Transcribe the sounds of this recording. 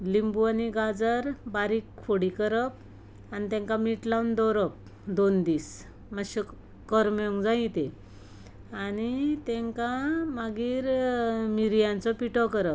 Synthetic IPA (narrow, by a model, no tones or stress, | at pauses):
limbuaniɡad͡zəɾbaɾiːkʰoɽikəɾəp̚ | anit̪ẽŋkamiʈlawnd̪ɔɾəp̚ | d̪ond̪iːs | maɕə | kəɾmjɔŋɡd͡zãit̪e | anit̪ẽŋkãmaɡiːɾmiɾijãnt͡sɔpiʈɔkəɾəp̚